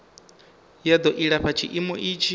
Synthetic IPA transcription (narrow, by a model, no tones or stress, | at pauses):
jad̪ɔʔiɺaɸat͡ʃʰiʔimɔʔit͡ʃʰi